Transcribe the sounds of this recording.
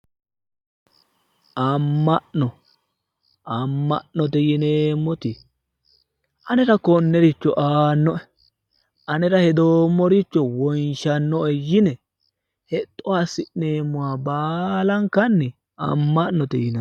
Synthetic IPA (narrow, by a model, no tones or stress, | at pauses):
ʔɐmːɐʔnɔ | ʔɐmːɐʔnɔt̪̬ɛjɪneːmːɔt̪ɪ | ʔɐnɛɾɐkɔnːɛɾɪt͡ʃːɔʔaːnːɔʔɛ | ɐnɛɾɐhɛd̪oːmːɔɾɪt͡ʃːɔwɔjnʃɐnːɔʔɛjɪnɛ | hɛt̪ʼːɔwasɪʔneːmːʊwaːbaːlɐŋkɐnːɪ | ɐ̰mːɐʔnɔt̪ɛjɪnɐ